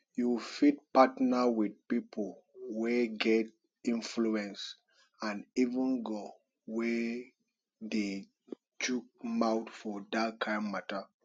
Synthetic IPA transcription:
jufit̚patnawid̚pipʰolweɡɛt̚ | ĩnfluɛ̃ns | ãnivə̃nɡo | wɛ | de | t͡ʃuk̚mawtfɔdakʰãɪ̃nmata

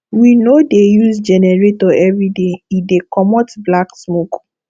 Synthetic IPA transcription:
winodejusd͡ʒɛnɛɹetɔɛvɹideidekʰɔmɔtblaksmok

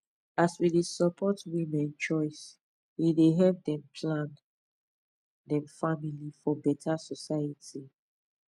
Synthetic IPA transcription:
aswidesəpʰɔtwimɛ̃nt͡ʃɔɪs | wideɦɛp̚dɛ̃mpʰlãn | dɛ̃mfamilifɔbɛtʰasɔsajəti

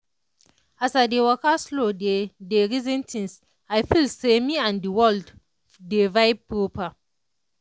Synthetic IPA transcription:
asadewɔkaslodedeɹizɛ̃ntʰĩns | aɪfilsemiãndiwɔld | devaɪb̚pɹopa

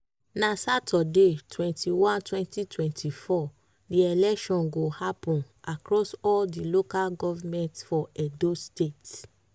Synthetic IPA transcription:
nasatʰɔdetʰwɛ̃ntʰiwãntwɛ̃ntitʰwɛ̃ntʰifɔ | diɛlɛkʃɔ̃nɡohapɔ̃n | akɹɔsɔldilokalɡɔvamɛ̃ntfɔɛdostet

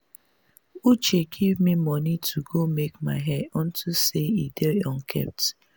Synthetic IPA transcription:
ut͡ʃeɡʰivmimɔnitʰuɡomekmaɪɦɛdɔ̃n̩tʰuseideɔnkʰɛ̰p̚t

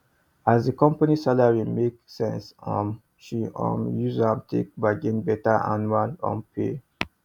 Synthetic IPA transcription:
azdəkɔ̃mpanisalaɹimeksɛ̰̃nsɔ̃m | ʃiʔɔ̰̃mjuzãmtʰḛk̚baɡẽnbɛtaʔa̰nualɔ̰̃npʰe

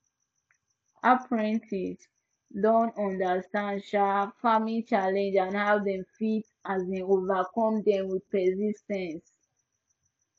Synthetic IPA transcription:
ʔapʰɹɛ̃ntʰis | dɔ̃nɔ̃ndastãndʃafamit͡ʃalɛ̃nd͡ʒãnhavdɛ̃mfit | azẽovakɔ̃mdɛ̃mwid̚pɛsistɛ̃ns

